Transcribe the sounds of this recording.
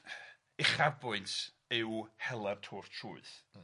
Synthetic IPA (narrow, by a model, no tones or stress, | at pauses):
ɪχabʊɨnt | ɪwhɛlˠɛrtʰɔrtʰruɨθ